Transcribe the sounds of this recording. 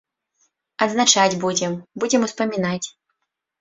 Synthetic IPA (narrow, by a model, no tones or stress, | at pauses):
ɐd̪znat͡ʂad͡zʲbud͡zʲɛmbud͡zʲɛmuspɐmʲinat͡sʲ